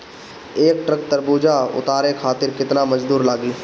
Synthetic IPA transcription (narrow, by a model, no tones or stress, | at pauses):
eːkʈɾək̚t̪əɾbuːd͡ʒaʊ̰t̪aːɾekʰaːt̪ɪɾkɪt̪namɐd͡ʒd̪uːɾlaːɡi